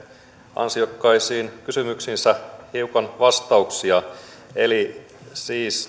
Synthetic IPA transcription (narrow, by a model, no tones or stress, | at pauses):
ɑ̰nsiokːɑisiːnkysymyksinsæhiukɑnʋɑst̪ɑuksiɑeli | siːs